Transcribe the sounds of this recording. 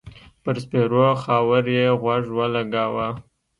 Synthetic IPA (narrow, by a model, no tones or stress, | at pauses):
pəɾspeɾoxɑwəɾjeɣwaʐwalaɡawa